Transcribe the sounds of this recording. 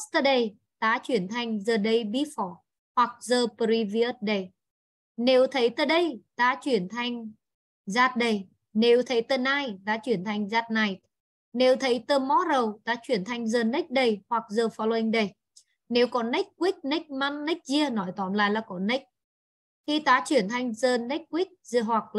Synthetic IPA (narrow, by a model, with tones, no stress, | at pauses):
st̪ə˧˩ɗə˧˩j | ɗ̪a̰ː˧˥t͡ɕwi˧˩ənt̪ʰa˧jŋ̟zəː˨˩ɗə˧˩jɓi˧˥fɔ˨˦ | hwa˨˩k̚zəː˨˩pə˨˧ɾi˧vi˧ə˦˥t̚ɗə˧˩j | ne˨˦wt̪ʰə˨˦jt̪əː˧˩ɗə˧jt̪a̰ː˧˥t͡ɕwi˧˩ənt̪ʰa˧jŋ̟ | zaː˧t̚ɗə˧˩j | ne˨˦wt̪ʰə˨˦jt̪əː˧naː˧jɗ̪a̰ː˧˥t͡ɕwi˧˩ənt̪ʰa˧˩jŋ̟zaː˧˩t̚na˨˧˩jt̪̚ | ne˨˦wt̪ʰə˨˦jt̪əː˧mɔ˦˥ɾə˨˩wt̪aː˨˦t͡ɕwi˧˩ənt̪ʰa˧jŋ̟zəː˧˩nə˦˥k̚ɗə˧˩jhwa˨˩k̚zəː˧fɔ˧lo˧ə˧ŋɗə˧˩j | ne˨˦wkɔ˨˦nɛ˦˥k̚kwi˦˥k̚nə˦˥k̚ma˧nːə˦˥k̚zi˧ənɔ˨˦jt̪ɔ˨˦nla̰ː˧˨jlaː˨˩kɔ˨˦nə˦˥k̚ | t̪ʰi˧t̪aː˨˦t͡ɕwi˧˩ənt̪ʰa˧jŋ̟zəː˧nɛ˦˥k̚kwi˦˥k̚ɦwa˨˩k̚